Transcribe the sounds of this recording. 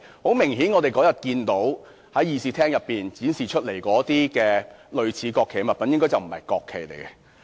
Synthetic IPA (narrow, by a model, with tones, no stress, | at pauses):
ho˨˥wmɪ˨˩ŋɦiː˨˥nŋɔː˨˧t̪e˨jkɔː˨˥jɐ˨t̚kiː˧nt̪o˨˥w | hɐ˨˥jːiː˨˩siː˨˧t̪ʰɛː˥ŋjɐ˨pːiː˨nt͡siː˨˥nsiː˨t͡ʃʰɵ˥t̚le˨˩jkɔː˨˥t̪iː˥kɛː˧lɵ˨˧ɥt͡sʰiː˨˧˥kɔː˧kʰːe˨˩˨mɐ˨t̚pɐ˨njɪ˥ŋkɔː˥t͡sɐ˨˩wm̩˨˩hɐ̰˨jkɔː˧kʰːe˨˩jlḛ˨˩jkɛ˧